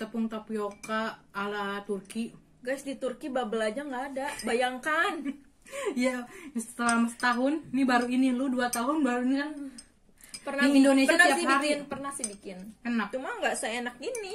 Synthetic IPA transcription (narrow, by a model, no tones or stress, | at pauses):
t̪əpʊŋt̪apiokaːlat̪urki | ɡajsdit̪urkibabəlad͡ʒaŋɡaːdabajaŋkan | jassəlamasə̥t̪aɦʊnːibaɾuinilʊduat̪aɦʊnbaɾuinikan | pərnaiindonesəianaiaɦaɾinpərnahsɪbikɪnkənapt͡ʃumaŋɡaʔsaenak̚ini